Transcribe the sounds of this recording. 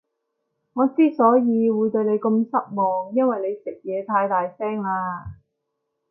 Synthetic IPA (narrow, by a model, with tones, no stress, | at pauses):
ŋɔː˨˧t͡siː˥sɔː˨˥jiː˨˧wuː˨˧jt̪ɵ˧ɥne˨˧jkɵ˧msɐ˥p̚mɔː˨ŋjɐ˥nwɐ˨jne˨˧jsɪ˨k̚jɛː˨˧t̪ʰaː˧jt̪aː˨jsɛː˥ŋlaː˧